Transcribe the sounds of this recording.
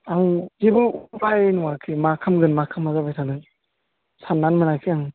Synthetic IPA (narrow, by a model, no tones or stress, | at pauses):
aŋzebɯupʰajnɔwakʰimakʰamɡɯnmakʰamːazabajsʰanɯŋ | sanːanmɯnakʰiaŋ